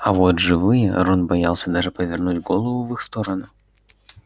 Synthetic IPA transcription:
ɐvɔd̪ʐɨvɨjɛ̰rɔnbajalˠsʲɐd̪aʐɨpɐvʲarnud͡zʲɡɔlˠɐvuvɨxst̪ɔɾɐnu

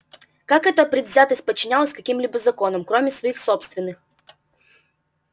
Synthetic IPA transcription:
kakɛt̪əpɾʲɪd̪vʲzʲat̪əsʲt̚ʲpət͡ɕːɪnʲalˠəsʲkɐkʲimlʲibɨzɐko̞nəmkɾomʲɪsvɐixsopst̪vʲɪnːɨx

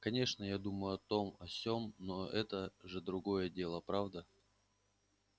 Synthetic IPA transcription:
kɐnʲe̞ʂnəjad̪uməjʊɐt̪o̞mɐsʲomnoɛt̪əʐɨd̪ɾʊɡo̞jədʲe̞lˠəpɾavd̪ə

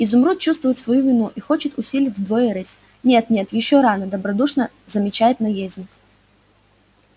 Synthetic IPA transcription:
ɪzʊmɾut͡ɕust̪vʊjɪt̪svɐjuvʲɪnuʔixo̞t͡ɕɪt̪ʊsʲilʲɪtʲvʲd̪vojəɾɛsʲ | nʲe̞t̪nʲe̞t̪jɪɕːoɾanəd̪əbɾɐd̪uʂnə | zəmʲɪt͡ɕæjɪt̪nɐjezʲnʲɪk

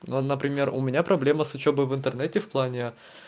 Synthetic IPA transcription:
nonəpɾʲɪmʲe̞rʊ̰mʲɪnʲapɾɐblʲe̞məsʊt͡ɕobəjvɨnt̪ərnɛtʲɪfplˠanʲɪ

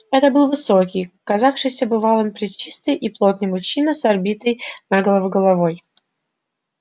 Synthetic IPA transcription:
ɛt̪əbɨlˠvɨsokʲɪjkɐzafʂɨjsʲəbɨvalˠonpɾʲɪt͡ɕːist̪ɨjʔiplˠot̪̚nɨjmʊɕːinəsɐrbʲit̪əjnaɡəlˠəvɨɡəlˠɐvoj

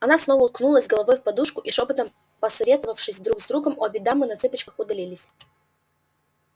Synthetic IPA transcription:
ɐnasno̞vəʊlˠknulˠəzʲɡəlˠɐvojfpɐd̪uʂkʊʔiʂopət̪əm | pɐsɐvʲet̪əvəfʂɨsʲd̪ɾuɡzd̪ɾuɡəmobʲɪd̪amɨnɐt̪sɨpət͡ɕkəxʊd̪ɐlʲilʲɪsʲ

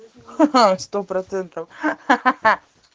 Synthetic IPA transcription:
ʃt̪owpɾɐt̪ẽnt̪ɐ̃w

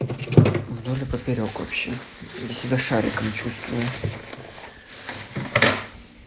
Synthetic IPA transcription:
vd̪olʲɪpəpʲɪɾʲokvɐ̰pɕːe̞d̪lʲəsʲɪbʲaʂaɾʲɪ̰kəmt͡ɕust̪vʊjə

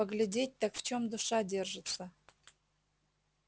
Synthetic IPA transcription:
əɡlʲɪdʲet̚ʲt̪akft͡ɕo̞md̪ʊʂadʲe̞rʐɨt̪sə

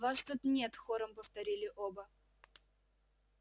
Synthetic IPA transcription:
vast̪ut̪nʲet̪xoɾəmpəft̪ɐɾʲilʲɪʔobə

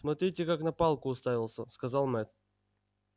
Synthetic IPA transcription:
smɐt̪ɾʲitʲɪkaknɐpɑlˠkʊːst̪avʲɪlˠsʲəskɐzɑlˠmɛt̪

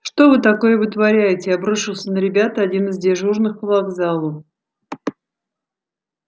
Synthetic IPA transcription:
ʂt̪o̞vɨt̪ɐko̞jəvɨt̪vɐɾʲæjɪtʲɪɐbɾuʂɨlˠsʲənəɾʲɪbʲat̪əɐdʲinɨɪzdʲɪʐurnɨxvˠɐɡzalˠə

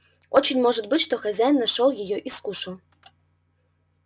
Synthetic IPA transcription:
ot͡ɕinʲmoʐət̪̚bɨtʲʃt̪oxɐzʲæjnːɑʃolˠjejoʔiskuʃɤ̆l

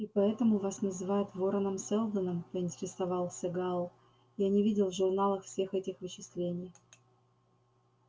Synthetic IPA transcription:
ipɐɛt̪əmʊvasnəzɨvajʊt̪voɾənəmsɛlˠd̪ənəmpəɪnʲtʲɪɾʲɪsɐvɑlˠsʲɐɡalˠ | janʲɪvʲidʲɪlˠvʐʊrnalˠəxfsʲe̞xɛtʲɪxvɨt͡ɕɪslʲenʲɪj

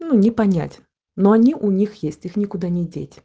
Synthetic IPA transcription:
nunʲɪpɐnʲa̰tʲ | noɐnʲiʔʊnʲixjesʲtʲixnʲɪkʊd̪anʲɪdʲḛtʲ

